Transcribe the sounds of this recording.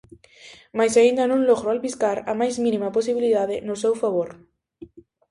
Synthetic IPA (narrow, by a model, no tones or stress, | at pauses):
majsaind̪anũnloɣɾoalβiskaɾamajzminimaposiβiliðaðenosɛwfaβoɾ